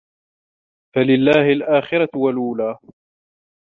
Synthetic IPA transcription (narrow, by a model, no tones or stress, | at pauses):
falɪlːaːhɪlʔaːxɪɾɑwalʔuːlaː